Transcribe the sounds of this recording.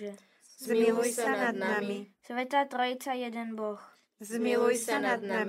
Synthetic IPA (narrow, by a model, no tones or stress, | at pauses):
zmɪlujsɛnadnamɪsvɛt̪aːt̪ɾojɪt͡sajɛdɛnbox | zmɪlujsɛnad̪na